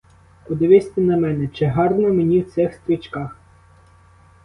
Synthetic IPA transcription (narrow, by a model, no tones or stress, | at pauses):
pɔd̪ɪʋɪsʲt̪ɛnɐmɛnɛt͡ʃɪɦɑrnɔmenʲiwt̪sɛxst̪ɾʲit͡ʃkɑx